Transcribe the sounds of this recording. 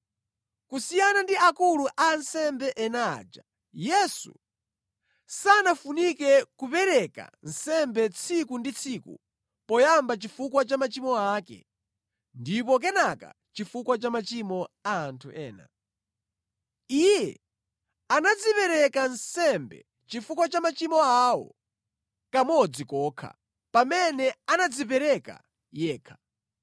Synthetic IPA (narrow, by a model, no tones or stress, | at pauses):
kusijanandiakuluʔansɛmbɛʔɛnad͡ʒa | jɛsṵ | sanafunikɛkupɛɾɛka̰n̩sɛmbɛt͡sʰikundit͡sʰikṵ | pɔjambat͡ʃifukwat͡ʃamat͡ʃimɔakɛ̰ | ndip̬ɔk̬ɛnaka̰ | t͡ʃifukwat͡ʃamat͡ʃimɔaːntʰuʔɛːna̰ | ijɛ | anad͡zipɛɾɛkansɛmbɛ̰ | t͡ʃifuk̬wat͡ʃamat͡ʃimɔawɔ̰ | kamɔd͡zikɔːkʰa̰ | pamɛnɛanad͡zip̬ɛɾɛka̰ | jɛːkʰḁ